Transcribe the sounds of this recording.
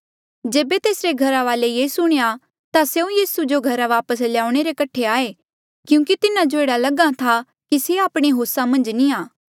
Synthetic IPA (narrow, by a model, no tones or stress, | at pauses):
d͡ʒeːbet̪eːsɾeɡʱɐɾaʋaːlejesʊɽ̃eja | t̪aseũjiːsud͡ʒoɡʱɐɾaʋaːpəsljaːʊɽ̃eɾekɐʈʰeaːe | kjũːkit̪ɪnãd͡ʒoeːɽalɐɡãt̪ʰa | kiseaːpɽ̃eɦoːsamɐ̃nd͡ʒniaː